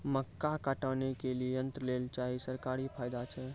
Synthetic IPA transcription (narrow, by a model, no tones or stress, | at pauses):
məkːakəʈəːnekelieənt̪ɾəlelt͡ʃaɦisəɾkaːɾipʰaːjd̪at͡ʃʰɛ